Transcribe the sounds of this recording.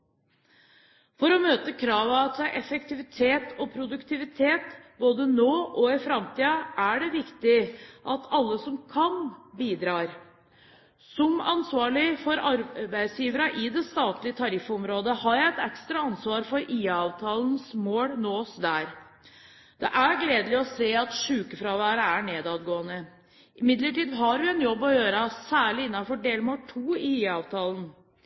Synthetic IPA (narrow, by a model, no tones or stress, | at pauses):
fɔɾɔmøːt̪əkʰɾɑːʋɑt̪sæʔɛfɛk̚t̪ɪʋɪt̪ʰeːt̪ɔpʰɾʊd̪ʉkt̪ɪʋɪt̪ʰeːt̪boːd̪ənoːʔɔɪfɾɑmt̪iːɑæɖɛʋɪkt̪ɪʔɑt̪ʰɑlːəsɔmkʰɑnbiːd̪ɾɑːɾ | sɔmɑ̰nsʋɑːɭɪfɔɾɑɾbæɪd̪sjiːʋəɾəʔɪd̪ɛst̪ɑːt̪lɪət̪ʰɑɾɪfːɔmɾoːd̪əhɑɾjæɪɛt̪ɛkst̪ɾɑɑnsʋɑːɾfɔɾʔiːɑːʋt̪ʰɑːlnsmoːlnoːsd̪æːɾ | d̪̥ɛ̰ʔæɾɡleːd̪əlɪɔseːɑt̪ʂʉːkəfɾɑːʋæːɾəæɳeːd̪ɑːd̪ɡoːənə | ɪmɪd̪ləʈiːd̪ɦɑɾʋɪɛnjɔbːɔjøːɾəsæːɭɪɪnːɑfɔɖeːlmoːʈʰuːɪiːɑːʋt̪ʰɑːln